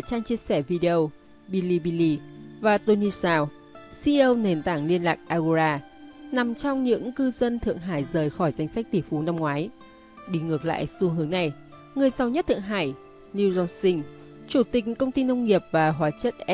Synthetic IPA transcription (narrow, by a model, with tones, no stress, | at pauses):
t͡ɕaː˧ŋt͡ɕi˧əsɛ˧˩vi˧ɗi˧ə˧w | ɓi˧li˧ɓi˧li˧vaː˨˩t̪o˧ni˧saː˧w | si˧ʔə˧wne˨˩nt̪aː˧˩ŋli˧ənlaː˨˩k̚ʔaː˧ɣu˧zaː˧ | na˨˩mt͡ɕɔ˧wŋ͡mɲɨ̰˧˥ŋkɨ˧zə˧nt̪ʰɨ̰˧˨əŋɦa̰ː˧˩jzəː˨˩jxɔ˧˩jza˧jŋ̟sa˦˥k̟̚t̪i˧˩əfu˨˦na˧mŋwaː˨˦j | ɗi˧˩ŋɨ˨˩ək̚la̰ː˧˨jsu˧ɦɨ˨˦ə˦ŋna˨˩j | ŋɨ˨˩əjsa˨˦wɲə˦˥t̚t̪ʰɨ̰˧˨əŋɦa̰ː˧˩j | ni˧zɔ˧nsï˧ŋ̟ | t͡ɕu˧˩t̪ï˨˩k̟̚kə˧wŋ͡mt̪i˧nə˧wŋ͡mŋi˨˩əp̚vaː˨˩ɦwaː˨˦t͡ɕə˦˥t̚ʔ